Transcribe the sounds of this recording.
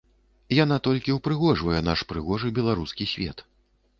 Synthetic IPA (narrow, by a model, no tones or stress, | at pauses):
janat̪ɔlʲkʲiuwpɾɨɣɔʐvɐjɛn̪aʂpɾɨɣɔʐɨbʲɛlˠaɾuskʲisʲvʲɛ̰t̪